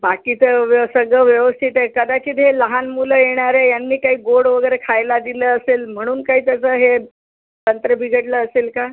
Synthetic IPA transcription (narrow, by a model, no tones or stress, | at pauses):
bakiːt͡səʋsəɡɭəʋjəʋəst̪ʰit̪ekəd̪at͡ɕiːt̪ɦeləɦanmuləjeɽ̃aɾejanːiːkaɦiːɡoɽʋəɡəjɾekʰajlad̪iləːəselm̤əɽ̃uːnkaɦiːt̪ət͡səːɦe | t̪ənt̪ɾəbʱiɡʱəʈləəselka